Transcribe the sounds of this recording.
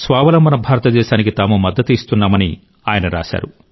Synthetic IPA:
sʋaːʋɐlɐmbɐnɐbʱaːɾɐt̪ɐd̪ɛːʃaːnikit̪aːmumɐd̪ːɐt̪ist̪unːaːmɐni | aːjɐnɐɾa̰ːʃa̰ːɾu

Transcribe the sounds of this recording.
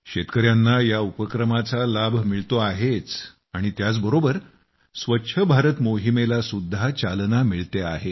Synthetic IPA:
ɕet̪kəɾjanːajaupəkɾəmat͡salabʱmiɭt̪oaɦet͡s | aɽ̃it̪jat͡sbəɾobəɾ | sʋətːɕʰəbʱaɾət̪moɦimelasud̪ʱːat͡salnamiɭt̪ea̰ɦe

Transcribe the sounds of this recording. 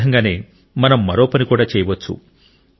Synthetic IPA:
ɐŋɡaːne̞ː | mɐnɐmːɐɾo̞ːpɐnikuːɽaːt͡ʃɛːjɐʋɐt͡ʃːṵ

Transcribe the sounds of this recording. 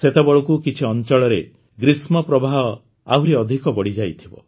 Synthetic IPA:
set̪ebɔɭɔkukit͡ʃʰiɔnt͡ʃɔɭɔɾe | ɡɾismɔpɾɔbʱaɦɔ | a̰wɾeɔd̪ʱikɔbɔɽid͡ʒajt̪ʰibɔ̰

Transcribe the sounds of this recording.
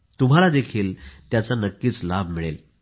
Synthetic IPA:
t̪um̤alad̪ekʰiːlt̪jat͡sanəkːiːt͡slab̚ʱmiɭel

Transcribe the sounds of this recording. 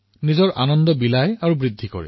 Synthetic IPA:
nizɔɹʔanɔndɔbilajaɹubɹid̪ʱːikɔ̰ɹɛ̰

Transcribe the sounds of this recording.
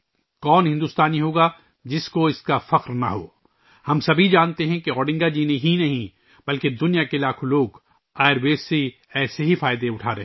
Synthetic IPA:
kɔːnɦɪ̃nd̪uːst̪aːniɦoːɡa | d͡ʒɪskoɪskafɐqɾna̰ɦo̰ː | hɐmsɐbʱid͡ʒaːnt̪eɦɛ̃keɔːɽɪ̃ŋɡad͡ʒiːneɦinɐɦĩ | bɐlked̪ʊnijakelaːkʰoloːɡ | aːɪɾbeːse | ɛːseɦifaːɪd̪eʊʈʰaːɾeɦ

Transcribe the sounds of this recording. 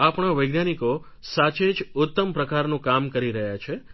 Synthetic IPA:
apɳ̃aʋəjɡnaniko | sat͡ʃed͡ʒʊt̪ːəmpɾəkaɾnũkamkəɾiɾəɦjat͡ʃʰe

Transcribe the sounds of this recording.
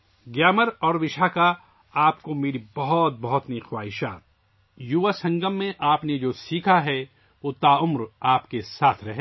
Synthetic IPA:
ɡjaːməɾɔːɾʋɪʃaka | aːpkomeːɾibɐɦɔt̪̚bɐɦɔt̪nixwaːɦɪʃaːt̪̚ | jʊʋasɐ̃ŋɡəmːẽʔaːpned͡ʒoːsiːkʰaɦɛ | ʋoːt̪aːʊmɾaːpkesaːt̪ʰɾɐɦe

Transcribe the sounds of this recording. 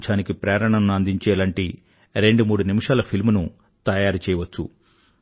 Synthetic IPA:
t͡ʃaːnikipɾɛːɾɐɳɐnnuɐnd̪iɲt͡ʃɛːlaɳʈi | ɾe̞ɳɖumuːɽunimiʂaːlɐpʰilmunu | t̪ɐjaːɾt͡ʃɛːjɐʋɐt͡ʃːṵ

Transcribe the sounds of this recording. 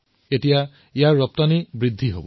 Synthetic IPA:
etija | ijaɹːɔp̚tanibɹid̪ʱːiɦo̰bɔ

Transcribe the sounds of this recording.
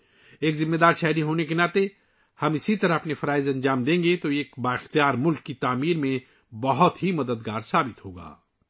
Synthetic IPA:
eːkzɪ̃mːeːd̪aːɾʃɛɦɾiɦoːnekenaːt̪e | hɐmɪsit̪ɐɾəɦɐpnefɐɾaːɪzɐ̃nd͡ʒaːmd̪ẽːŋɡet̪oeːkbaːɪxt̪ijaːɾmʊlkːit̪aːmiːɾmẽ | bɐɦʊt̪ɦimɐd̪əd̪ɡaːɾsaːbɪt̪ɦoːɡa̰ː

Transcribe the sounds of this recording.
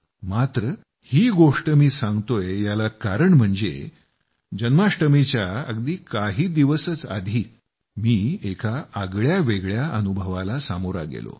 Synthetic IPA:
mat̪ɾə | hiːɡoʂʈəmiːsãŋɡt̪ojejalakaɾəɳm̤əɳd͡zḛ | d͡ʑənmaʂʈəmit͡ɕjaə̰ɡd̪iːkaɦiːd̪iʋəsət͡sa̰d̪ʱiː | miːekʰaəɡɭjaʋeɡɭjaʔənubʱəʋalasamoɾa̰ɡḛlo̰

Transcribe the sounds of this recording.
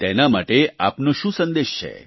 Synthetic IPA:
t̪enamaʈea̰pnoʃũsənd̪eʃt͡ʃʰḛ

